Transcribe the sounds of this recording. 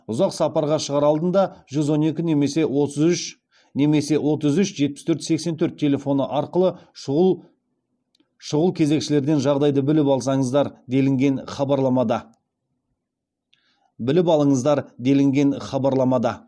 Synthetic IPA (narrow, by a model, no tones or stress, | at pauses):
ʊzɑqsɑpɑɾʁɑʃəʁɑɾɑlˠd̪ənd̪ɑʒ̥ʏzwo̞ne̞kʲɪne̞me̞se̞wo̞t̪əzʏʃ | ne̞me̞se̞wo̞t̪əzʏʃʒe̞t̪̚pɪ̥st̪ʰɵɾt̪se̞ksent̪ʰɵɾt̪̚ʲʰːe̞lʲe̞fo̞nəʔɑɾqəlˠə | ʃʊʁəlˠkʲʰe̞ze̞kʃɪle̞ɾd̪e̞nʒɑʁd̪ɑjd̪əbɪlɪpɑlˠsɑɴəzd̪ɑɾd̪elɪŋɡʲenχɑbɑɾlˠɑmɑd̪ɑ | bɪlɪpɑlˠəɴəzd̪ɑɾd̪e̞lɪŋɡʲe̞nχɑbɑɾlˠɑmɑd̪ɑ